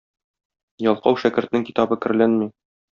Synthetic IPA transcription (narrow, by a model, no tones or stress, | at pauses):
jɒlˠqɑwʃækɘ̆ɾt̪nɘŋkit̪ɑbɤkɘ̆ɾ̆lænmi